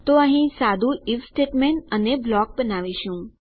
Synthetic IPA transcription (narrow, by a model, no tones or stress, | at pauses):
t̪oəɦĩsad̪ʱuifsʈeʈmeɳʈəneblɔk̚bənaʋiʃũ